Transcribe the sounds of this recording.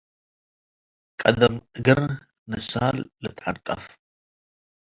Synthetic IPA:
kʼɐd̪ɐmɨɡɨɾ | nɨsɐhalːɨt̪ʰʼʕankʼɐf

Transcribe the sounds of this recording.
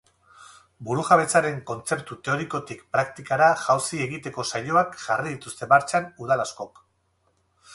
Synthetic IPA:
buɾuʝaβ̞e̞t͡saɾe̞ŋko̞nt͡se̞pt̪ut̪e̞o̞ɾiko̞t̪ikpɾak̚t̪ikaɾaʝawsie̞ɣit̪e̞ko̞saʎo̞akʝariðit̪ust̪e̞βaɾt͡ʃanuð̞alasko̞k

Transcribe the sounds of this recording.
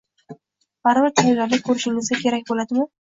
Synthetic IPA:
b̥aɾbaɾt̪ʰalɪblaɾlɪkʰɵɾɪʃɪlmɪzɡʲakʲʰe̞ɾak̚ʲbolad̪ɪmɪ

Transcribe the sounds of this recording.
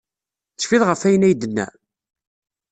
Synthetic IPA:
θəʃfiðʁəfæjənæjd̪ənːæ̰

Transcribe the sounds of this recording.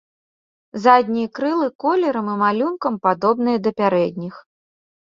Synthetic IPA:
zad̪ʲnʲijkɾɨlˠɨkɔlʲɛɾɐmimalʲunkɐmpad̪ɔbnɨjɐd̪ɐpʲaɾɛd̪ʲnʲix

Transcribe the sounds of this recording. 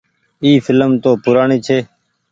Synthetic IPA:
iːfɪlmt̪oːpʊɾaːɳiːt͡ʃʰeː

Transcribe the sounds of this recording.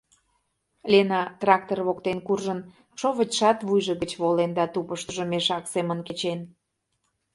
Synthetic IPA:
lʲenɑt̪rɑk̚t̪orβokt̪enkurʒən | ʃoβət͡ɕʃɑt̪βujʒəɣət͡ɕβolend̪ɑt̪upəʃt̪əʒomeʃɑksemənket͡ɕen

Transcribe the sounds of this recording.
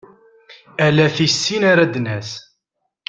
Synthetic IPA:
ælæθisːinaɾad̪næs

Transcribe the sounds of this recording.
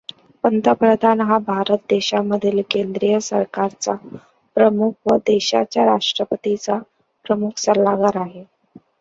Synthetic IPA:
pənt̪əpɾəd̪ʱanɦabʱaɾət̪̚d̪eɕaməd̪ʱiːlkend̪ɾijəsəɾkaɾt͡sa | pɾəmukʰʋəd̪eɕat͡ɕjaɾaʂʈɾəpət̪it͡sa | pɾəmukʰsəɾlaɡaɾaɦe

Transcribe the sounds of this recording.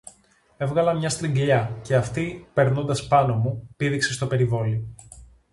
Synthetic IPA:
e̞vɣɐlɐmɲɐst̪ɾiŋɡʎɐce̞ɐft̪ipe̞ɾno̞nd̪ɐspɐno̞mupiðikse̞st̪o̞pe̞ɾivo̞li

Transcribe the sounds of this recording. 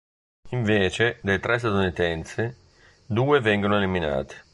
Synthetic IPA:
iɱveːt͡ʃed̪ejt̪ɾʔɛs̬t̪ad̪unit̪ɛnt̪sɪ | d̪uːevɛŋɡonoʊelimina̰ːt̪ɪ̥

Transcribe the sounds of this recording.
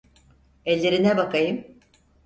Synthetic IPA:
ɛlʲːe̞ɾinɛbakajɯm

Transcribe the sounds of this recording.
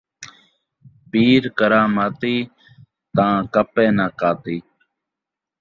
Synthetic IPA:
piːɾkəɾãːmaːt̪iː | t̪ãːkəpẽːnaːkaːt̪iː

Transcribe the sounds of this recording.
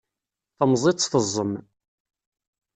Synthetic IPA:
θəmzˤit̪ˤːθəzˤːəm

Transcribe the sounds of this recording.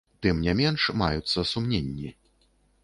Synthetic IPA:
t̪ɨmnʲɛmʲɛnʂma̰jut̪sːɐsumnʲenʲːi

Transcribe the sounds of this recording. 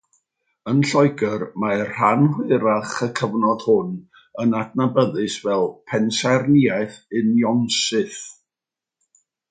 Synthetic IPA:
ənɬɔɨɡərmar̥anhwɪɾaχəkʰəvnɔð̥hʊn | ənadnabəðɨsvɛlˠpʰɛnsarniajθɨnjɔnsɨθ

